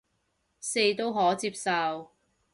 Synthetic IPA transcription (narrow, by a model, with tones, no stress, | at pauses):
se˧jt̪o˥wɦɔː˨˥t͡siː˧p̚sɐ˨˧w